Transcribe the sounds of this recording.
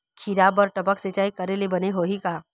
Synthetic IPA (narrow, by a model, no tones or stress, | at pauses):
kʰiɾaːbɔːɾʈɐpəkset͡ʃaːikɐɾelebɐneɦoːɦikaː